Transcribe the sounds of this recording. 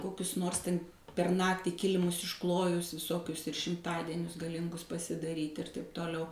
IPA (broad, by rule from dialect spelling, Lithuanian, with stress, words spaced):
ˈkoːkʲʊs ˈnoːrs ˈtʲɛn pʲɛr ˈnɑːktʲiː ˈkʲɪlʲɪmʊs ɪʃˈklˠoːjʊs ʋʲɪˈsoːkʲʊs ɪr ʃʲɪmˈtɑːdʲiɛnʲʊs ɡɐˈlʲɪŋɡʊs pɐsʲɪdɐˈrʲiːtʲ ɪr tɐɪp toːˈlʲɛʊ